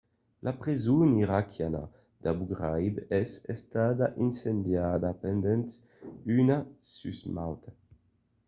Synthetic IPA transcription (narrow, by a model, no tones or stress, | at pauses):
lʔapʁizuniʁakʰjana̰ | d̪̥abuɡʁajbɛsɛst̪ad̪aʔinsend̪jad̪apɛnd̪ɛnt̪ | ynasysmawt̪a